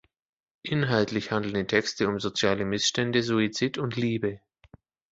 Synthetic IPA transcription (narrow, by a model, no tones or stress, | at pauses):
ʔɪnɦaltlɪçhandl̩n̩diːtʰɛkstəʊmzot͡sjaːləmɪsʃtɛndəzuit͡sitʊntliːbə